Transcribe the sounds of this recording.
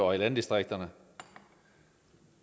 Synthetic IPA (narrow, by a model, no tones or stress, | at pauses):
ɑɪlɛnd̪ɪst̪ʁɪk̚t̪ɑnə